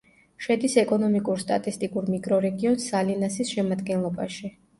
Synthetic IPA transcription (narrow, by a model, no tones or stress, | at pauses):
ʃɛd̪isɛkʼɔnɔmikʼuɾst̪ʼat̪ʼist̪ʼikʼuɾmikʼɾɔɾɛɡiɔnsalinasisʃɛmad̪ɡɛnlˠɔbaʃi